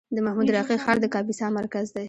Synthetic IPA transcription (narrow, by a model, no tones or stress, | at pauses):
d̪əmahmud̪ɾɑqixɑɾd̪əkɑbisɑmaɾkazd̪aj